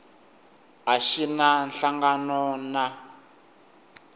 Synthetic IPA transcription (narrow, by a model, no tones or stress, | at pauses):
ɦaʃinanɬaŋɡanɔna